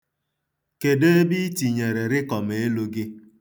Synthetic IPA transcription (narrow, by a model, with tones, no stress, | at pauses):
ke˨de˦e˦bi˦ti˨ɲe˨ɾe˨ɾɪ˦kɔ˨me˨e˦lo˦ɡɪ˦